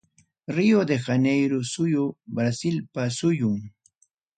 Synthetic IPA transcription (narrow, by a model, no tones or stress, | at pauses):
ɾijod̪exanejɾʊsʊjʊbɾasɪlpasʊjʊŋ